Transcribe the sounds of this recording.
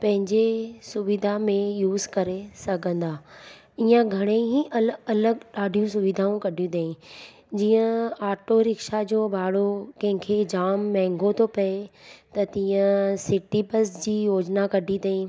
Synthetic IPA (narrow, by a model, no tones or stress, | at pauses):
pɐ̃ɦɪ̃ɲd͡ʑesʊʋɪd̪ʱamẽjuːzkɐɾesɐɡʱə̃nd̪aː | iːə̃ɡʱɐɽ̃ẽɦiʔɐlɐləɡɗaːɖʱijũsʊʋɪd̪ʱaũkɐɖʱijũd̪eĩ | d͡ʑiːə̃aːɾʈoɾɪkʃad͡ʑoːbʱaːɽokɐ̃ɦɪ̃kʰed͡ʑaːmːɛ̃ːŋɡot̪ʰopɐet̪ɐt̪ĩːə̃sɪʈipɐsd͡ʑiːjoːd͡ʑnakɐɖʱid̪eĩ